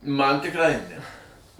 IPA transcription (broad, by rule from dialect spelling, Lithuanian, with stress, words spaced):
ˈmɐn tʲɪkˈrɐɪ nʲɛ